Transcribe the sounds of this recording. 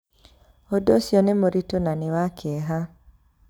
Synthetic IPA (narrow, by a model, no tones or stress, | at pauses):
odosjonɛmoɾitonanɪwakʰɪɛɦa